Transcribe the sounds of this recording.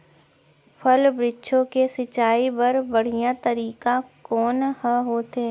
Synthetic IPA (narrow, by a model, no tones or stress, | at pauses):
pʰəlbɾɪtːʃʰõkesɪt͡ʃaːibɐɾbɐɽ̤ijãt̪əɾiːkakɔːnhəɦoːt̪eː